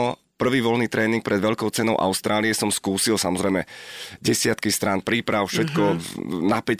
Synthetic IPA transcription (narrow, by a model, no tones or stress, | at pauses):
pr̩ʋiːʋɔlniːt̪ɾɛːniŋk̚pɾɛd̪ʋɛʎkɔʊt͡sɛnɔʊʔa̰ʊst̪ɾʔaːliɛsɔmskuːsilsamɔzɾɛjmɛɟɛsɪat̪kist̪ɾanpɾiːpɾaʊfʃɛt̪kɔnapɛc